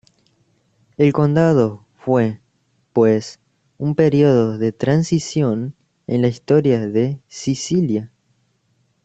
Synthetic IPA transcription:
elko̞nd̪að̞o̞ | fwe | pwes | umpe̞ɾio̞ðo̞ðe̞t̪ɾansisjo̞n | ḛnlaist̪o̞ɾjaðe̞sisilja

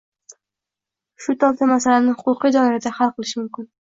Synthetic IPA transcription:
ʃʊt̪ʰɒlt̪amasalanɪhʊqʊqid̪ɒɪɾad̪ahalˠqʰɨlˠɪʃɪmʊmkʲɪn

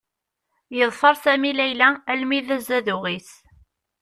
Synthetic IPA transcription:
jəðˤfɑɾˤsæmilæjlæælmiðæzæðʊʁis

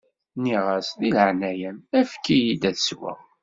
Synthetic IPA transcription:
niʁæsðilʕnæjənæfkːijid̪æθswæ̰

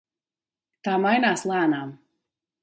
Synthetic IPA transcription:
t̪aːmajnaːslˠaːnam

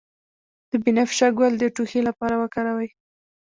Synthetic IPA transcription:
d̪̥əbinafʃaɡwald̪əʈuxelapɑɾawəkɑɾawaj

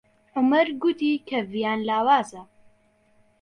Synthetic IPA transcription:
ʕʊmɐɾɡut̪iːkʰɐvijaːnlaːwaːzɐ

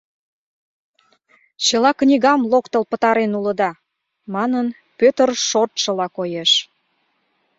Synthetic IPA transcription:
t͡ɕəlɑknʲiɣɑmlokt̪əlpət̪ɑɾenuləd̪ɑ | mɑnən | pøt̪ərʃort̪ʃə̆lɑkojeʃ

